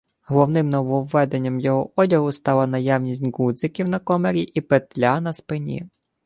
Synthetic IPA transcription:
ɦɔlˠɔwnɪmnɔʋɔwːɛd̪e̞nʲːɐmjɔɦɔʔɔdʲɐɦʊst̪ɑlˠɐnɐjawnʲisʲtʲɡud̪zɪkʲiwnɐkɔmeɾʲiʔipet̪lʲanɐspɪnʲḭ

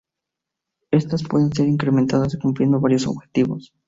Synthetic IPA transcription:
e̞st̪aspwe̞ðe̞ns̬e̞ɾiŋkɾement̪aðasokumplje̞nd̪o̞βaɾjo̞so̰βxe̞̥t̪iβo̞̰s

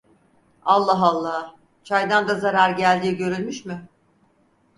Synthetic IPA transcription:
alˠːaɦalˠːaː | t͡ʃʰajd̪and̪azaɾaɾɟælʲd̪iːɟø̞ɾylʲmyʃmɪ

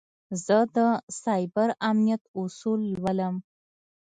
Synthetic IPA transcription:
zəd̪əsɑjbaɾamnijat̪usulːwaləm

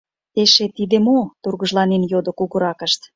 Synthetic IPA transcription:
t̪eʃet̪id̪emot̪urɣə̆ʒlɑnenjod̪ŏkuɣəɾɑkə̆ʃt̪

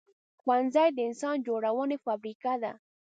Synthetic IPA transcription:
xwanzajd̪ensand͡ʒoɾawonefabɾikad̪a

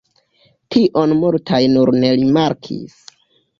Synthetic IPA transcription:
tʰiʔo̞nmultʰajnuɾne̞ɾimaɾkʰḭs

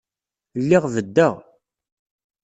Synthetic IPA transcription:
lːɪʁvəd̪ːəʁ

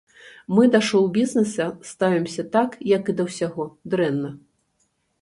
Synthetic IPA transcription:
mɨd̪aʂɔwbʲiznɛsɐst̪avʲimsʲɐt̪akjɐkɨd̪ɐwsʲaɣɔd̪ɾɛnːɐ

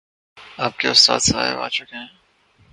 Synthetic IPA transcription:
aːp̚keʊst̪a̰ːt̪sa̰ːjḛbaːt͡ʃʊkẽɦɛ̃

